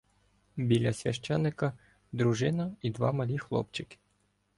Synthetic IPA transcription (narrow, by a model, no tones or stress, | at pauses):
bʲilʲɐsʲʋʲɐ̰ʃt͡ʃɛnːɪkɐ | d̪ɾuʒɪnɐid̪ʋɑ̰mɐlʲixlˠɔ̰p̚t͡ʃɪkɪ̥